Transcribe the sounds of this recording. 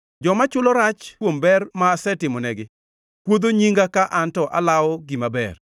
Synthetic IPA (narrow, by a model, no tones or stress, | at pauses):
d͡ʒɔmat͡ʃʊlɔɾat͡ʃwombɛrmaːsɛtɪmɔnɛɡɪ | kwod̪oɲiŋɡakaʔantɔʔa̰lawɔɡimabɛ̰r